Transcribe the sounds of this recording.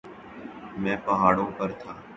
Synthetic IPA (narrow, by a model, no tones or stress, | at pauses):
mɛ̃ːpəɦaːɽõːpəɾt̪ʰaː